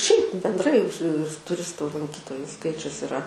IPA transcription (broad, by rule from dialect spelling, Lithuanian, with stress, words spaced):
ʃʲɛɪp bʲɛndˈrɐɪ sʊ tʊˈrʲɪstʊ lˠɐŋʲˈkʲiːtoːjʊ ˈskɐɪt͡ʃʲʊs ɪˈrɐ